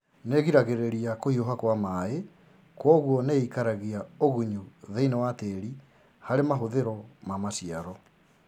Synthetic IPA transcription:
neɣiɾaɣeɾeɾiakohioɦakwamae | kwɔɣwɔneikaɾaɣiaoɣuɲuðeinewateɾi | haɾemaɦoðeɾɔmamasiaɾɔ

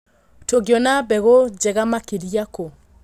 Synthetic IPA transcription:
toɡeɔnabɛɣod͡ʒɛɣamakeɾjako

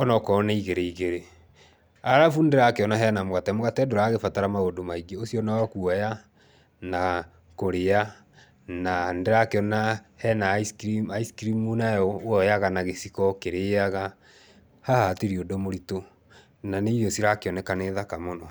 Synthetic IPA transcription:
ɔnɔkɔneiɣeɾeiɣeɾe | aɾafundeɾakeɔnaɦɛnamwatɛmoɣatɛdoɾaːɣefataɾamaodomaiɡeosiɔnaɔkuɔja | na | koɾea | nandeɾakeɔna | hɛnaskɾimaiskɾimunaɔɔjaɣanaɣesikɔkeɾeaɣa | hahatiɾiodomoɾito | naneiosiɾakeɔnɛkaneðakamonɔ

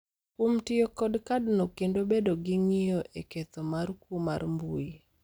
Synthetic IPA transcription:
kwomtɪokɔdkadnokendobedoɡɪŋɪjoʔeket̪omarkuma̰rmbui

